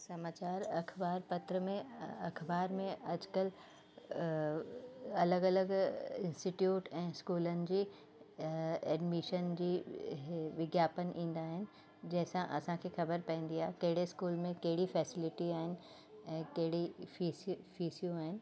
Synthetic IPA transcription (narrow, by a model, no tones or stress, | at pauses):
sɐmaːt͡ɕaːɾɐkʰbaːɾpɐt̪ɾəmẽɐkʰbaːɾmẽɐd͡ʑkəl | ɐləɡɐləɡɪ̃nsʈiʈjuːʈɛ̃ːskuːlənɪ̆d͡ʑiː | ɛːɖmiʃənd͡ʑiː | ʋɪɡjaːpənʔĩːn̆d̪aːɦɪnɪ̆ | d͡ʑɐ̃ɦɪ̃sãʔɐsãkʰeːxɐbəɾpɐ̃ĩːn̆d̪iaːɦekɐɦɪɽeskuːlmẽkɐɦɪɽifɛːsɪlɪʈiaːɦɪnɪ̆ | ɛ̃ːkɐɦɪɽifiːsfiːsijũaːɦɪnɪ̆